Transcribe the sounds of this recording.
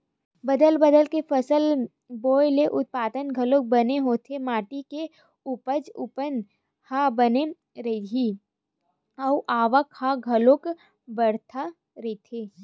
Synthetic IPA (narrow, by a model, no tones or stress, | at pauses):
bəd̪əlbəd̪əlkepəsəl | boːjleʔʊt̪̚paːd̪ənɡʱɐlok̚bəneɦoːt̪ʰemaːʈike | ʊpəd͡ʒʊ̰pən | habəne | ɾɐiɦi | ɔʔaːʋəkhaɡʱɐlok | bəɽt̪ʰa | ɾɐit̪ʰeː